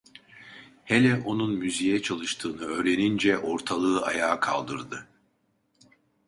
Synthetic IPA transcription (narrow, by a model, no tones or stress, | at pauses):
helʲɛʔo̞nunmyzijɛt͡ʃʰalˠɯʃt̪ʰɯːnɯø̞ːɾenind͡ʒɛʔo̞ɾt̪ʰalˠɯːʔa̰jaːkʰa̰lˠd̪ɯɾd̪ɯ